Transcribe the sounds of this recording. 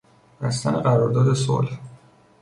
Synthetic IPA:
b̥æst̪æneɢæɾɒːɾd̪ɒːd̪e̞so̰lh

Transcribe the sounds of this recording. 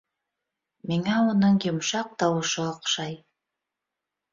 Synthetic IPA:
miŋæunɤɴjʊ̆mʃɑq̚t̪ɑwɤ̆ʃɤɑqʃɑj

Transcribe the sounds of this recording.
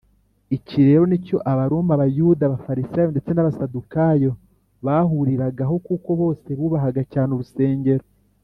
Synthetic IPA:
iciɾe̞ɾo̞nico̞ʔaβaɾomaβajudaːβafaɾisaːjo̞nde̞t͡se̞naβasadukajo̞ | βaːɦuɾiɾaɡaɦo̞kuko̞βo̞ːse̞βuːβaɦaɡacaːnuɾuse̞ːɲɟe̞ɾo

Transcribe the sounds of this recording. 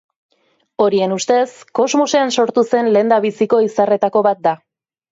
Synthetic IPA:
o̞ɾie̞nust̪e̞sko̞zmuseanso̞ɾt̪use̞nle̞ːnd̪aβisiko̞isare̞t̪ako̞βat̪̚d̪a

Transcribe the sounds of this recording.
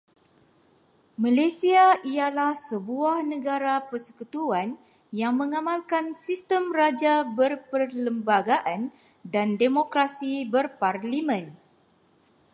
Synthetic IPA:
malasiaʔijalahsəbuahnəɡaɾapərsə̥kut̪uan | jaŋmə̃ŋamalkansist̪əmrad͡ʒabərpərləmbaɡaʔan | dandemokɾasibərparlimə̃n

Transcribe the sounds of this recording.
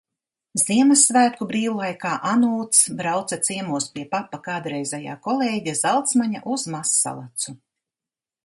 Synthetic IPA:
ziɛmɐsːvæːt̪̚kubɾiːwulˠajkaːʔanuːt̪sbɾawt̪sat̪siɛmuɔspʲiɛpapːakaːd̪ɾɛjzʲɛja̰ːkɔlˠeːɟʲazalˠt̪smaɲa̰ʔuz̥masːa̰lˠat̪su

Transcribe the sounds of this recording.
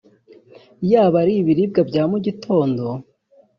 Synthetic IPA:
jaːβaɾiβiɾib̚ɡabɟaːmuɟitʰo̞ːndo̞

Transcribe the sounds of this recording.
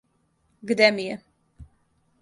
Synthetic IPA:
ɡd̪ɛmijɛ

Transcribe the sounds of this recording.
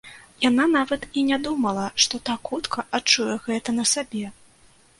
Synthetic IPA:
jananavɐt̪inʲad̪umɐlˠɐʂt̪ɔt̪akxut̪kʰɐʔat͡ʂːujɛɣɛt̪ɐnɐsabʲɛ

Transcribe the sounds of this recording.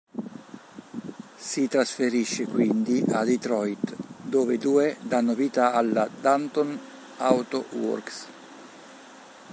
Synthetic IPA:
sit̪ɾasfeɾiʃːekwind̪iʔad̪it̪ɾɔjt̪d̪oːved̪uːed̪anːoviːt̪aalːad̪ant̪on | awt̪owɔ̰rks

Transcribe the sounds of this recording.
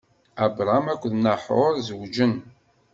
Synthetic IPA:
æbɾˤamækʷːðnəħoɾˤzəwd͡ʒən

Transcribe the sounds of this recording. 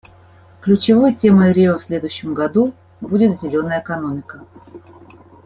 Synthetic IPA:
klʲʉt͡ɕɪvojtʲeməɾʲɪofsʲlʲe̞d̪ʊjɕːɪmɡɐd̪u | budʲɪt̪zʲɪlʲo̞nəjəɪkɐno̞mʲɪkə

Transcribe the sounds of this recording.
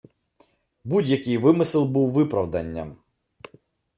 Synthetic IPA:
budʲjɐkʲɪjʋɪmɪsɪlˠbuwʋɪpɾɐwd̪ɐnʲːɐ̰m

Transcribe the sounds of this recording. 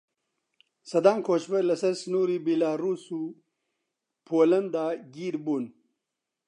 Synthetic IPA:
sɐd̪aːŋkʰoːt͡ɕbelɐsɐsnuːɾibilaːɾusu | pʰoːlɐnd̪aːɡiːɾbun

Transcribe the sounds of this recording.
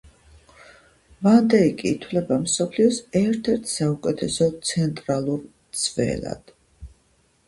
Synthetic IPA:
vand̪ɛikʼiːt̪ʰwlɛbamsɔpʰliɔsɛɾt̪ʰɛɾt̪ʰsaukʼɛt̪ʰɛsɔt̪sʰɛnt̪ʼɾalˠuɾt̪sʰvɛ̰la̰d̪̥

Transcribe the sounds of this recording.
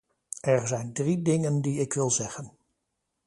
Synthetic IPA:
ɛɹzɛjndridɪŋəndiɪkʋɪlˠzɛχən

